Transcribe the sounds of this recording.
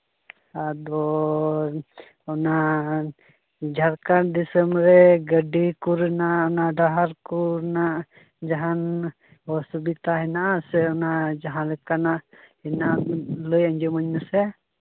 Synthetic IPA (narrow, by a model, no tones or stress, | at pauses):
ad̪ɔ | ɔna | d͡ʒʱaɾkaɾd̪isəmɾɛɡəɖikuɾnaɔnaɖaɦaɾkuɾnaʔ | d͡ʒaɦan | ɔsubit̪aɦɛnaʔasɛɔnad͡ʒaɦãlɛkanaʔhinaʔalojəɲd͡ʒɔməɲnasɛ